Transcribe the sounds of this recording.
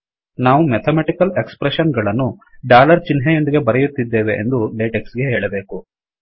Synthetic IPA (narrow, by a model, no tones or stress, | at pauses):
naːʋumet̪ʰɐmɛʈikɐlekspɾeʃɐnɡɐɭɐnːuɖaːlɐɾt͡ʃinɦejo̞nd̪iɡe̞bɐɾejut̪ːid̪ːe̞ːʋe̞ʔḛnd̪uɖeːʈeksɡeɦeːɭɐbe̞ːku